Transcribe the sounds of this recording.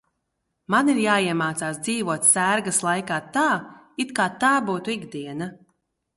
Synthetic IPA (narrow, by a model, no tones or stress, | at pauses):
maniɾjaːiɛmaːt̪saːsd̪ziːvuɔt̪sæːɾɡɐslˠajkaːt̪aːit̪kaːt̪aːbuːt̪uiɡd̪iɛna